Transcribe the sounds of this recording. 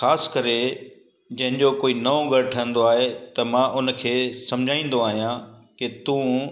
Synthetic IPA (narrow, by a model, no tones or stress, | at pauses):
xaːskɐɾe | d͡ʑɐ̃ɦɪ̃ɲd͡ʑokoːinɐõɡɐɾʈʰəə̃n̆d̪oaːɦet̪ɐmãːʔʊnkʰeːsɐ̃md͡ʑʱaːĩːnd̪oaːɦijãkɪt̪ũ